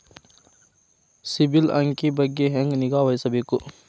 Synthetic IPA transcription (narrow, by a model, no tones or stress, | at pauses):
sibilɐŋkibɐɡeɦeŋɡniɡaːʋɐjsɐbʱiku